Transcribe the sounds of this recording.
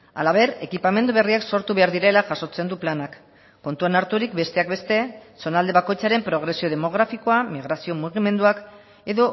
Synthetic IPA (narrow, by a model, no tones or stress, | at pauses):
a̰laβe̞ɾe̞kipame̞nd̪uβ̞e̞riakso̞ɾt̪uβe̞aɾðiɾe̞laʝaso̞t͡se̞nd̪uplanakː | o̞nt̪uanaɾt̪uɾikbe̞st̪e̞ak̚be̞st̪e̞so̞nald̪e̞β̞ako̞jt͡saɾe̞mpɾo̞ɣ̞ɾe̞sio̞ð̞e̞mo̞ɣ̞ɾafiko̞amiɣ̞ɾasio̞muɣ̞ime̞nd̪uak | e̞ðo̞